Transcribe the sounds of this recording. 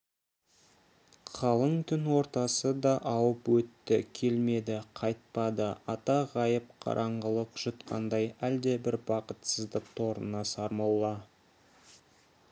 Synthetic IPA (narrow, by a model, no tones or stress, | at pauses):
qʰɑlˠəɴt̪ʰʏnwo̞ɾt̪ɑsəd̪ɑʔɑwəpwɵt̪ːɪkʲʰe̞lme̞d̪ɪqʰɑjt̪̚pɑd̪əɑt̪ɑʁɑjəp̚qʰɑ̰ɾʔɑɴʁəlˠəqʒ̥ʊt̪qʰɑ̰nd̪ɑjæld̪e̞bɪɾbɑqət̪səzd̪əq̚t̪ʰoɾənɑsɑɾmɑlˠːɑ